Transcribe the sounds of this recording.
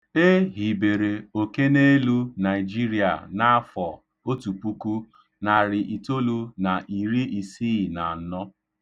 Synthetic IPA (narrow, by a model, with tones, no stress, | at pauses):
e˦ɦi˨be˨ɾe˨o˨ke˦ne˦lu˦na˨ɪ˨d͡ʒi˦ɾi˨a̰˨na˦a˦fɔ˨ | o˦tu˨pu˦ku˦ | na˨ɾɪ˨ʔi˨to˦lu˦na˨ʔi˨ɾi˦i˨si˦˨na˨n̩˨nɔ˦